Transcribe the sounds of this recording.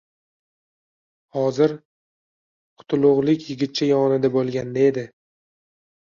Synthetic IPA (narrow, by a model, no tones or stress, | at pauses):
hɒzɪɾ | qʰʊ̥t̪ʰʊlˠʊʁlˠɪkʲjɪɡʲɪt̪̚t͡ʃʰajɒnɪd̪abolˠɡʲand̪ae̞d̪ɪ